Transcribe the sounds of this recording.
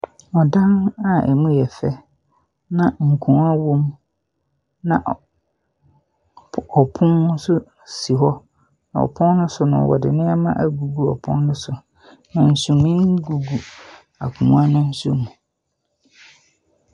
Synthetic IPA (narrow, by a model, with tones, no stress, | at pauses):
ɔ˨dã˦na˦ɛ̰˨mũ˦jɛ˨fɛ˦ | nã˨ŋ̩˨kʰʊ̃˨˦a˦wõ˦m | nã̰˨ʔ | ɔ˨pʰʊ̃˦nʊ̃˦sʊ˦ | si˨ɦɔ˦ | nã̰˨ɔ̰˨pʰʊ̃˦n˦nʊ̃˦sʊ˨nʊ̃˨wɔ̰˨dɪ̰˨nɪ̃˦ɛ˦mã̰˦ʔa˦ɡu˨ɡu˦ɔ˨pʰʊ̰̃˦nnʊ̃˦sʊ˨ | nã˨n̩˨sũ˨mĩ˦ŋ˦ɡu˨ɡu˨ | a̰˨kʰũ˨m̃˦a˦nʊ̃˦n̩˦su˦mũ˨